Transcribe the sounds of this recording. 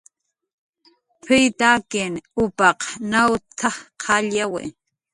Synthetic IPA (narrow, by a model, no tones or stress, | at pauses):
pʰɪjt̪akenʊpɑqnawt̪ʰaqʰɑʎawḛ